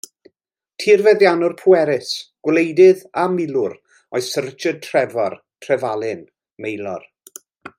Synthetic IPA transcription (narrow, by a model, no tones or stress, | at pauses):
tʰiːrvɛðjanʊrpʰʊɛɾɪsɡ̥wlejdɪðamɪlˠʊɾ | ɔjsərt͡ʃəd̚tʰr̥ɛvɔr | tʰrɛvalˠɪn | mejlˠɔ̰r